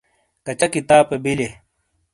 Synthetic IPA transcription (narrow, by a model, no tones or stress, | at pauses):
kɐt͡ɕɐkit̪aːpebile